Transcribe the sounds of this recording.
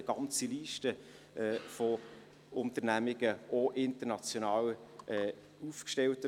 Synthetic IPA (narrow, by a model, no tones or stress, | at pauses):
əɡ̥ɑnt͡siliːʃtə | ʔɛːfɔ | ʊntənæmɪɡ̥əʔoʔɪntənɑt͡sjonɑːwɛː | ufkʃtɛltə